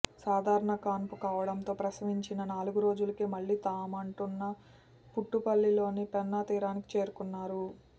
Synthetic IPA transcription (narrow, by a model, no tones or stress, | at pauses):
saːd̪ʱaːɾɐɳɐkaːnpukaːʋɐɽɐnt̪o̞ːpɾɐsɐmiɲt͡ʃinɐnaːluɡuɾo̞ːd͡ʒulɐkeːmɐɭːiːt̪aːmɐɳʈunːɐ | puʈːupɐɭːilo̞ːnipɛnːɐt̪iːɾaːniki̥t͡ʃe̞ːɾukunːaːɾu